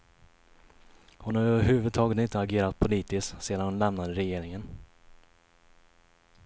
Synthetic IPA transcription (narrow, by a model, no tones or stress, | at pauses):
hʊnhaɾœvəɾɦʉ̟ːvɵd̪t̪ʰɑːɡət̪ɪnt̪əaɡeːɾat̪̚pʰʊliːt̪ɪskseːd̪anhʊnlɛmnad̪əɾɛjeːɾɪŋən